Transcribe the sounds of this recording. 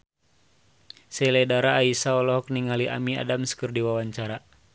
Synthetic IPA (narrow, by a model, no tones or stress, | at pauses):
sɛlɛdaɾaːisaɔlɔɦɔk̚niŋaliʔa̰mia̰damskɨrdiwawaɲt͡ʃaɾa